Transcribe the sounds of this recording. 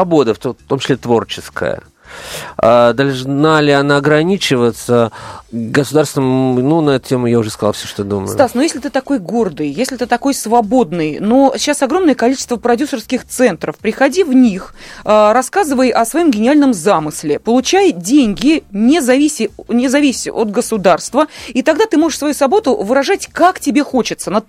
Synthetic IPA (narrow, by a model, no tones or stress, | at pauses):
ɐbo̞d̪əft̪t̪omt͡ɕɪ̥sʲlʲet̪vo̞rt͡ɕɪskə̰jə̰ | ad̪ɐlʲˠʐnalʲɪɐnaɐɡɾɐnʲit͡ɕɪvət̪sə | ɡəsʊd̪arst̪ʲɪnmnunɐɛt̪ʊtʲemʊjaʊʐɛskɐzalˠfsʲoʂt̪od̪umə̰jʊt̪asnojesʲlʲɪt̪ɨt̪ɐko̞jɡo̞rd̪ɨjjesʲlʲɪt̪ɨt̪ɐko̞jsvɐbo̞d̪nɨjnoɕɕːasɐɡɾo̞mnəjəkɐlʲit͡ɕɪ̥st̪vəpɾɐdʲusərskʲɪxt̪sɛnt̪ɾəfpɾʲɪxɐdʲivnʲixəɾɐskazɨvəjʔɐsvɐjo̞mɡʲɪnʲɪalʲnəmzamɨsʲlʲɪpəlˠʊt͡ɕæjdʲenʲɡʲɪnʲɪzɐvʲisʲɪnʲɪzɐvʲisʲɪot̪̚ɡəsʊd̪arst̪vəit̪ɐɡd̪at̪ɨmo̞ʐəɨʂsvɐjusvɐbo̞t̪ʊvɨɾɐʐatʲkaktʲɪbʲe̞xo̞t͡ɕɪt̪sənə